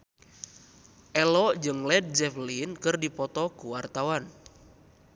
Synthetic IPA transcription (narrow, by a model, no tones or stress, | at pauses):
ʔɛlɔd͡ʒɨŋlɛd̪̚d͡ʒɛflinkɨrdipɔt̪ɔkuwart̪awan